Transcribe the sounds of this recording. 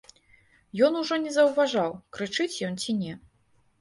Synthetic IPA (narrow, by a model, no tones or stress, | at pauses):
jɔnuʐɔnʲɛzɐwvaʐawkɾɨt͡ʂɨt͡sʲjɔnt͡sʲinʲɛ